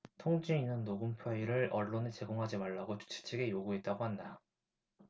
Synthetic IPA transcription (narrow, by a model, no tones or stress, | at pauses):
tʰoŋd͡ʑiinɯnːoɡɯmpʰjoiɾɯɭʌɭːonɯt͡ɕe̞ɡoŋɦad͡ʑimaɭːaɡot͡ɕu̥t͡ɕʰi̥t͡ɕʰeɡe̞joɡuɦet̚t͈aɡoɦhanda